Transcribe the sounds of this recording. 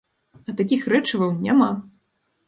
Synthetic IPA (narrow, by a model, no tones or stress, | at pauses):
ɐt̪ak̬ʲixrɛt͡ʂɐvɐwnʲama